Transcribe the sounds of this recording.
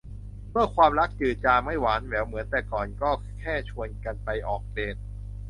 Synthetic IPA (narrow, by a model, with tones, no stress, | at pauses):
mʰɯ˥˩ɐkʰwaː˧mɾa˦˥k̚t͡ɕɯː˨˩t̪̚t͡ɕaː˧ma˥˩jwaː˩˦˥nwɛː˨˦˥wmɯ˩˦ənt̪ɛː˨˩kɔː˨˩nkɔː˥˩ | kʰɛː˥˩t͡ɕʰu˧ənka˧npa˧jʔɔː˨˩k̚leː˨˩t̪̚